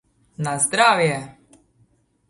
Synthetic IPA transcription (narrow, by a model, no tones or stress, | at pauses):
nazd̪ɾaːʋjɛ